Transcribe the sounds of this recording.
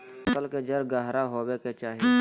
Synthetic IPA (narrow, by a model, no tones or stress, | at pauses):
ʊsəlked͡ʒɐɾɡaɦɾaɦoːweket͡ʃaːɦie